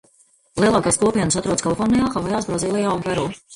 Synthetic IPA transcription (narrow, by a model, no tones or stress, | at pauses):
lˠiɛlˠaːkaːskuɔpiɛnsat̪ɾuɔd̪skalˠfɔɾnijaːxavajaːsbɾɔziːlˠijaɡ̪vɛɾuː